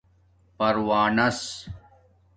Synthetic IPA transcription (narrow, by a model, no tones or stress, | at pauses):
pɐɾwaːnɐs